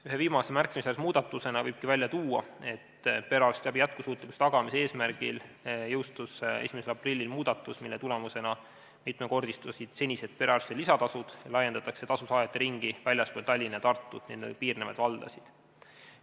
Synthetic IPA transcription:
yɦe̞viːmɑsemærkˑːimisesmuːd̪̥ɑt̪ːˑuse̞nɑvɤjb̥̚kivælʲjɑt̪uːɑ̰e̞t̪pe̞ɾɑrst̪jæbijæt̪̚kusuːt̪ˑliku̥set̪ɑɡ̥ɑmisee̞ːsmæɾɡ̥il | jɤwst̪use̞̰simese̞lɑprilʲːilmuːd̪̥ɑt̪ːˑusmilːet̪ule̞muse̞nɑ | mit̪ˑmeko̞rd̪ist̪usid̪̥se̞nʲise̞d̪̚pe̞ɾɑrst̪elisɑt̪ɑsud̪̥jɑlɑjend̪̥ɑt̪ːˑɑkse̞t̪ɑsusɑːjɑt̪ːˑeɾiŋɡ̥ivælʲjɑsp̪ot̪ɑlʲːinet̪ɑrt̪ˑːud̪ninpiːrnevɑ̰d̪vɑld̪̥ɑ̰sid̪̥

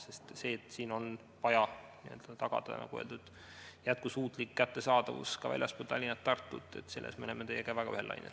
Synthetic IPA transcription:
se̞st̪se̞ːt̪ːˑsiːno̞n | vɑjɑniø̞ld̪̥ɑt̪ɑɡ̥ɑ̰d̪̥ɑ̰nɑ̰ɡueld̪ud̪̥ | jæt̪̚kusuːt̪ˑlikːæt̪ːe̞sɑːd̪̥ɑvṵskɑvæ̰lʲjɑspult̪ɑlʲinɑt̪ːɑrt̪ːut̪ːˑe̞t̪ːse̞lʔḛsmelemːet̪e̞jːekævæɡ̥ɑyhelːʔɑ̰jnel

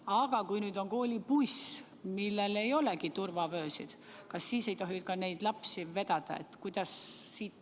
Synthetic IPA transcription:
ɑɡ̥ɑkujnyːd̪o̞ŋko̞ːlʲipus | milːe̞le̞jo̞le̞kit̪urvɑvøːsḭd̪̥ | kɑsːiːse̞jt̪oɦinyt̪̚kɑnejd̪̥lɑpsive̞d̪̥ɑd̪̥ɑ̰e̞̰t̪ːkujd̪̥ɑssiːt̪

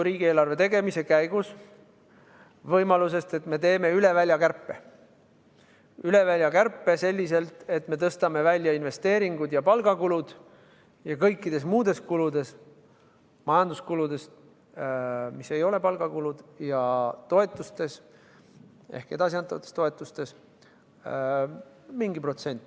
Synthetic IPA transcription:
ɾiːɡ̥ieːlɑrve̞t̪e̞ɡe̞mise̞kæjɡ̥us | vɤjmɑluse̞st̪e̞t̪me̞t̪e̞ːme̞yle̞vælʲjɑkærpːˑe | yle̞vælʲjɑkærpːˑe̞se̞lʲːise̞lt̪ˑe̞t̪ːˑme̞t̪ɤst̪ɑme̞vælʲːjɑinve̞st̪e̞ːɾiŋɡud̪̥jɑpɑlɡ̥ɑkulud̪̥ | jɑkɤjkːˑid̪̥e̞s̬muːd̪̥e̞skulud̪e̞s | mɑjɑnd̪̥uskulud̪e̞s | mise̞jo̞le̞pɑlɡ̥ɑkulud̪̥jɑt̪o̞e̞t̪ːˑust̪e̞s | ehked̪̥ɑs̬ʲiɑnt̪ːˑɑvɑt̪ːˑest̪o̞e̞t̪ːˑust̪e̞s | miŋɡipro̞t̪se̞nʲt̪ːˑ

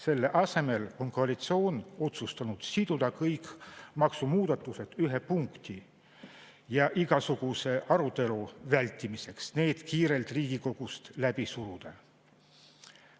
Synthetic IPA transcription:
se̞lːe̞ʔɑse̞me̞lo̞nkoɑlit̪sio̞ːno̞t̪sust̪ɑnud̪̥sid̪̥ud̪̥ɑkɤjkmɑksumuːd̪̥ɑt̪ːˑuse̞d̪̥yɦepuŋkt̪i | jɑʔiɡ̥ɑsuɡ̥use̞ʔɑɾut̪e̞luvælʲt̪ːˑimise̞ksne̞ːd̪̥kiːɾe̞lt̪riːɡ̥iko̞ɡ̥ust̪læb̥isuɾud̪̥ɑ

